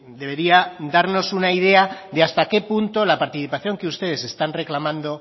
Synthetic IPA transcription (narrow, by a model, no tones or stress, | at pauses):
d̪e̞β̞e̞ɾiaðaɾno̞sunaið̞e̞aðeast̪ake̞punt̪o̞lapaɾt̪iθipaθjo̞ŋke̞ust̪e̞ð̞e̞se̞st̪anre̞klamãnd̪o̞